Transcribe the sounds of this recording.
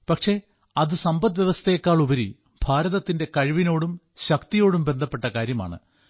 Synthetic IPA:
pɐkʂe̞ | ɐðɨsɐmbɐt̪ːʋjeʋɐst̪ʰɐjkːaːɭubɐɾi | b̥ʱaːɾɐðɐt̪ːinde̞kɐɻʋino̞ːɽum | ɕɐkt̪ijo̞ːɽumbe̞nd̪ʱɐpːe̞ʈːɐkaːɾjɐma̰ːɳɨ̰

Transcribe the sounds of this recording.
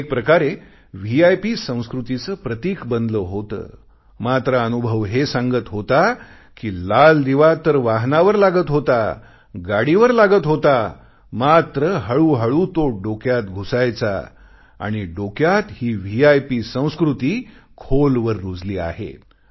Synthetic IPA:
ek̚pɾəkaɾe | ʋiajpisə̃w̃skɾut̪it͡səpɾət̪iːkbənd̪ləɦot̪ə̰ː | mat̪ɾəənubʱəʋɦesãŋɡət̪ɦot̪a | kiːlald̪iʋat̪ːəɾʋaɦnaʋəɾlaɡət̪ɦot̪a | ɡaɽiʋəɾlaɡət̪ɦot̪a | mat̪ɾəɦəɭuːɦəɭut̪oɖokjat̪ɡʱusajt͡sa̰ | a̰ɽ̃iɖokjat̪hiːʋiajpisə̃w̃skɾut̪iːkʰolʋəɾːud͡zliːa̰ɦḛ

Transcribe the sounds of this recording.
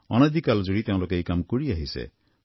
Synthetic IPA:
ɔ̰nad̪ʱikalzoɹit̪eʊ̃lokeejkamkoɹiaɦisḛ

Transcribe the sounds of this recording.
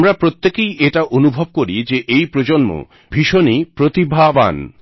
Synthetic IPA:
mɾapɾot̪ːekejʔeʈaʔonubʱob̚koɾid͡ʑeʔejpɾod͡ʑonmo̰ | bʱiʃonipɾot̪ibʱaban

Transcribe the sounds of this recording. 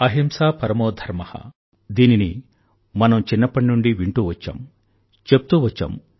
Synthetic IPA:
ɐɦimsaːpɐɾɐmoːd̪ʱɐɾmɐhɐ̰ | d̪iːnini | mɐnɐmt͡ʃinːɐpɐɳnuɳɖiʋiɳʈuːʋɐt͡ʃːa̰ːm | t͡ʃepːut̪uːʋɐt͡ʃːa̰ːm

